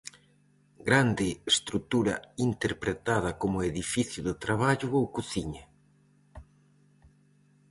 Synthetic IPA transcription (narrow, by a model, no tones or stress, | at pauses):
ɡɾand̪ɪest̪ɾut̪uɾɐ̰int̪eɾpɾet̪aðɐkomʊeðifiθjʊðʊt̪ɾaβ̞aʎʊowkuθiɲa